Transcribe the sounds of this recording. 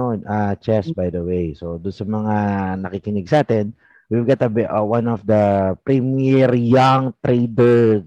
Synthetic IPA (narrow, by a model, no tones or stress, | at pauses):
oat͡ʃɛsbajd̪ɐwejsod̪ʊnsɐmɐŋanɐkikɪnɪɡsaːt̪ɪn | wivɡat̪ɐbwãnɔfd̪ɐpɾimɛɾjaŋt̪ɾed̪ɛɹ